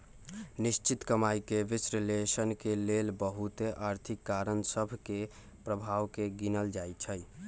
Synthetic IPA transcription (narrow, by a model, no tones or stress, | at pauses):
nist͡ʃit̪kəmajkeʋisɾilesənkelelbəɦut̪eʔaɾt̪ʰikːaɾənsəbʱke | pɾəbʱawkeɡinəld͡ʒajt͡ʃʰəj